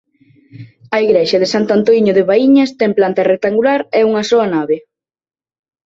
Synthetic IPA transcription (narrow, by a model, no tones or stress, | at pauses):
ɐiɣɾeʃɐðɪsant̪ant̪oiɲoðeβaiɲɐst̪ɛŋplant̪ɐrek̚t̪aŋɡulaɾɛuŋɐsoɐnaβe